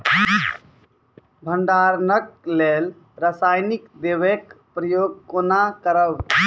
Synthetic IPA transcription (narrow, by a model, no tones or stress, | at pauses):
bʱənɖaɾnək̚lel | ɾasajnikd̪eʋekpɾəjoɡ̚konakəɾəw